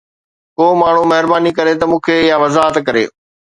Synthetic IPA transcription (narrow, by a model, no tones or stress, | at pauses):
koːmaːɳ̤umɐɦɪɾbaːnikɐɾet̪ɐmũːkʰeɪjaʋɐzaːɦət̪kɐɾḛː